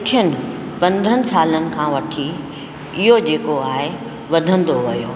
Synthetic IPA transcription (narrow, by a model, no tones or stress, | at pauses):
kʊʈʰiənɪ̆ | pɐ̃nd̪ʱənɪ̆saːlənɪ̆kʰãːʋɐʈʰi | ɪɦod͡ʑeːkoaːɦe | ʋɐd̪ʱə̃n̆d̪oʋɐjoː